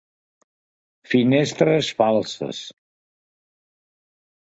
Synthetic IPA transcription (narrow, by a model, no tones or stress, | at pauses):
finest̪ɾəsfalˠsə̰s